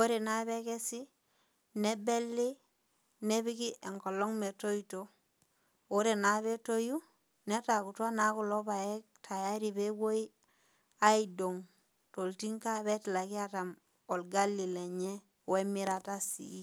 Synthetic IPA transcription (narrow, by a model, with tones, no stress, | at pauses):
o˦ɾe˨na˦βe˦ke˦si˦ | ne˦be˦lːi˦ | ne˦βi˦ki˦ʔe˨ŋko˨lo˦ŋme˨to˦ito˨ | o˦ɾe˨na˨˦βe˦to˦ju˦ | ne˦ta˨ku˨twa˦na˨˦ku˨lo˦βa˨je˦k̚tʰa˨ja˦ɾi˨be˦wo˦i˦ | a˦i˨do˨ŋ | to˨lti˦ŋka˦βe˦tla˨ki˦a˦ta˨m | o˨lɡa˦lːi˨le˨ɲe˦ | we˦mi˦ɾa˨ta˦sḭ˨i˦